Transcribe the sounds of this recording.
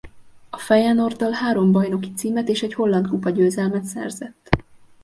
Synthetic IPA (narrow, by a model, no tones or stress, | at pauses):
ɒfɛjɛno̞rd̪ɒlhaːɾo̞mbɒjno̞ki̥t̪siːmɛt̪eːʃɛɟho̞lːɒnt̪kupɒɟøːzɛlmɛt̪sɛ̰rzɛt̪ː